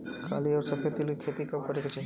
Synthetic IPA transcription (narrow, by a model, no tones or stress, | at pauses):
kʰa̰ːliɔːɾsɐpʰet̪ɪlkikʰeːt̪ikɐbkɐɾeket͡ʃɐ